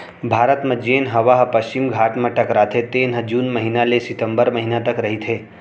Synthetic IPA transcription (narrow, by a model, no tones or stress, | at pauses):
bʱaːɾət̪mẽd͡ʒeːnɦɐʋaɦpɐʃt͡ʃɪmɡʱaːʈmẽʈɐkɾaːt̪ʰet̪eːnɦəd͡ʒuːnmɐɦinalesɪt̪ə̃mbəɾmɐɦinat̪ɐkɾɐɦit̪ʰeː